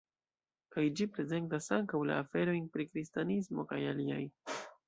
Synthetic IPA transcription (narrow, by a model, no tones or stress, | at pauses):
kajd͡ʒipɾe̞ze̞ntasaŋkawla̰ːfe̞ɾo̞jnpɾikɾistanismo̞kajalia̰j